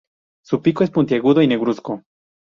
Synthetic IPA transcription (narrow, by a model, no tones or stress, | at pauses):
supikoe̞spunt̪jaɣuðoineɣɾusko